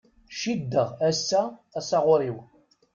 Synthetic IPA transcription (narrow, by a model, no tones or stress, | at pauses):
ʃid̪ːəʁæsːæːsɑʁʊɾiw